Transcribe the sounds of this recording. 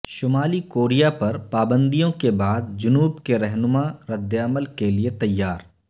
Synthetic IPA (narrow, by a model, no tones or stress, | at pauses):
ʃʊmaːlikoːɾijapɐɾpaːbə̃nd̪ijõkebaːd̪̚d͡ʒʊnuːbkeɾɛɦnʊmaɾɐd̪ːɐməlkeliet̪ɐjːaːɾ